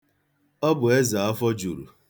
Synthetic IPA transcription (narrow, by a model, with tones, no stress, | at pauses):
ɔ˦bʊ˨e˦za˨a˦fɔ˦d͡ʒu˨ɾṵ˨